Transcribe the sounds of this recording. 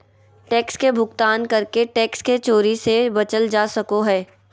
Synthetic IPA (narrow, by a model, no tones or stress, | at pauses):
ʈɛːkskebʱʊɡt̪aːnkɐɾkeʈɛːksket͡ʃoːɾisebɐt͡ʃəld͡ʒaːsɐkoɦɛː